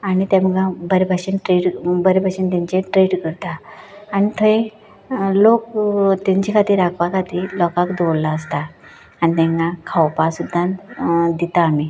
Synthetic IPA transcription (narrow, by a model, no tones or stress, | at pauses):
aɽ̃it̪jãm̤əɡabəɾbʱaɕənʈɾeɽbəɾebʱaɕənt̪ẽɲt͡ɕeʈɾeɽkəɾt̪aːɽ̃it̪ʰəẽ | lokt̪eɲt͡ɕikʰat̪iːɾakʰʋakʰat̪iːlɔkakd̪owlːaəst̪aː | nit̪ɛ̃ŋɡãkʰawpasud̪ʱːãd̪it̪aːmi